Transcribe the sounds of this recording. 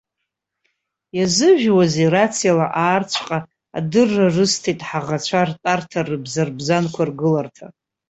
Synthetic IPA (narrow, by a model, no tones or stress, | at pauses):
jazɨʒᶣwazerat͡sʰijalaʔaːrt͡ɕʷʰqʼa | a̰dɨrːarɨstʰejtʼħaʁat͡ɕʷʰartʼartʰarɨbzarbzankʷʰarɡɨlartʰa